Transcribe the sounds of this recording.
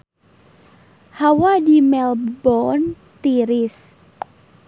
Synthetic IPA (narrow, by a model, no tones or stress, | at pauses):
hawadimɛlbɔn | t̪iɾɪs